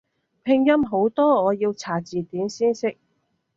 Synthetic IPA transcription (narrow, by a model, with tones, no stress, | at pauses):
pʰɪ˧ŋjɐ˥mɦo˨˥wt̪ɔː˥ŋɔː˨˧jiː˧wt͡sʰaː˨˩t͡siː˨t̪iː˨˥msiː˥nsɪ˥k̚